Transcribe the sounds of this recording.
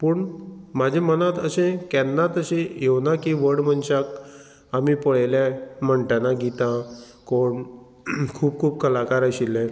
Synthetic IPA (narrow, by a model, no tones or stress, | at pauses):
puːɳmad͡ʑʱemənat̪əɕẽkɛnːat̪əɕẽjewnakiʋəɽm̤əɳɕak | amipəɭajljãm̤əɳʈanaɡʱit̪ã | koɳ | kʰuːp̚kʰuːp̚kʰəlakaɾəɕilːɛ̃